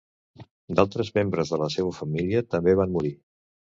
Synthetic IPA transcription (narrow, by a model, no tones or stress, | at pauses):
d̪alˠt̪ɾəzmembɾəzðələseβəfəmiliət̪əmbeβ̞anmuɾi